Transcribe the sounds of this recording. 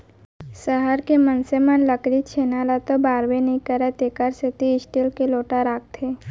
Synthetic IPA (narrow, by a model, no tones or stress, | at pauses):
səɦəɾkemənsemə̃nləkɾit͡ʃʰeːnalat̪obaːɾbenəĩkəɾɛt̪eːkəɾsɪt̪iɪsʈilkeloːʈaɾaːk̚t̪ʰeː